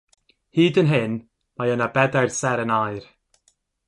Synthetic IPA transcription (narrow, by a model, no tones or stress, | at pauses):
hiːdənɦɪn | majənabɛdɛɹsɛɾənajɹ